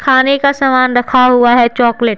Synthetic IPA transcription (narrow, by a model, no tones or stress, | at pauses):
kʰaːnekasɐmaːnɾɐkʰaɦuaɦɛt͡ʃɔːkleʈ̚